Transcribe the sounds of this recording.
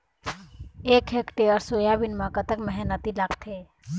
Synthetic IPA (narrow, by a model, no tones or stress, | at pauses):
eːkʰeːkʈeɔɾsoːjabɪnmãkət̪əkmɛɦɛnət̪ilaːkt̪ʰeː